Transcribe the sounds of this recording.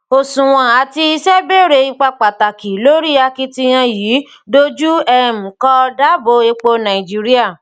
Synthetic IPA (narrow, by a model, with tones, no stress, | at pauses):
o˧sũ˨w̃ɔ̃˧a˨ti˧i˧ʃɛ˦be˦ɾe˧i˧k͡pa˧k͡pa˨ta˨ki˨lo˦ɾi˦a˧ki˧ti˧j̃ã˧jiː˨˦ | do˦d͡ʒu˦ɛ˧m̩˨kɔ˧da˦bo˨˦e˧k͡po˧nã˨i˨d͡ʒi˦ɾi˦a˦˨